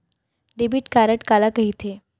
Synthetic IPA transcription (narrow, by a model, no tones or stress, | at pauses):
ɖebiːʈkaɾəʈkalakəɦit̪ʰe